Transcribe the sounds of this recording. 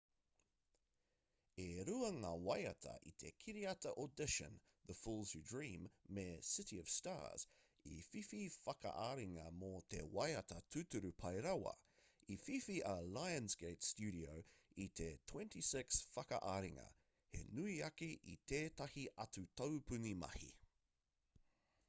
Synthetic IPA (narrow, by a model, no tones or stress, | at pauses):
eɾuɐŋaːwɐjɐtʰɐ̰ʔit̪ʰekʰiɾiɐtɐʔodɪʃə̰̃n | ðəfulˠzʉdɹĩːmːesɪtiəv̥sta̰ːz̥ | ḭfififɐkɐ̰ʔaɾiŋɐmot̪ʰḛwɐjɐt̪ɐt̪ʰʉt̪uɾʉpʰɐjɾɐwɐ̰ | ififiʔɐlajə̃nzɡejtstjʉːɾioʊit̪ʰetʰwɛ̃nt̪isɪksfɐkɐ̰ʔaɾiŋɐ̰ | hḛnuiɐkiʔḭt̪ʰeːt̪ɐhiʔɐtʉt̪ʰowpʉnimɐ̰hḭ